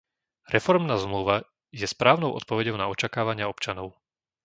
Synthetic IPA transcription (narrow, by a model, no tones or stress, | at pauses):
ɾɛfɔɾmnaːzmluʋa | jɛspɾaːʊnɔʊʔɔ̰t̪̚pɔʋɛɟɔʊnaɔt͡ʃakaːʋaɲɪaɔpt͡ʃanɔʊ